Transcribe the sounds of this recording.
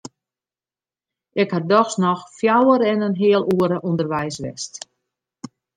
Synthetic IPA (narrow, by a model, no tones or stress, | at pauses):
ɛkhadɔxsnɔxfjawəɾɛnənɦɪəlˠʔuəɾəʔundərʋɛjsʋɪ̰st